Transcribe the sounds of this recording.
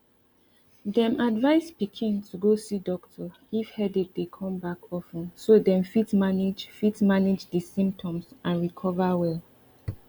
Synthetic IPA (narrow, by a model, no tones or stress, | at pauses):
dɛ̃mʔadvaɪspikʰĩntʰuɡosidɔktʰɔ | ifhɛdɛt̚dekʰɔ̃mbakʰɔfɛ̃nsodɛ̃mfitmanid͡ʒfitsmanid͡ʒdəsĩmp̚tʰɔ̃msʔãnɹikʰɔvawɛl